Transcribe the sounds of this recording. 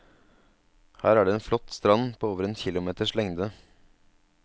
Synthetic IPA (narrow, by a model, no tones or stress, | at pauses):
hæːɾæɖeːeːnflɔt̪ːst̪ɾɑnpʰoːoːʋəɾɛnçɪlʊmeːt̪əʂlɛŋd̪ə